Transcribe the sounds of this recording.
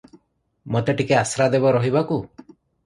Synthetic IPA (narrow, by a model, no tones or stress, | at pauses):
mot̪eʈikeasɾad̪ebɔɾɔɦibaku